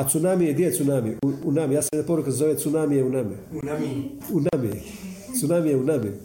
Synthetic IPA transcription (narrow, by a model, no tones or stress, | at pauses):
at̪sunamijed̪iet̪sunamiʔuunamijaːsajenapoɾukazoʋet̪sunamijeunamḭ | unamijḛ | t̪sunamijeunami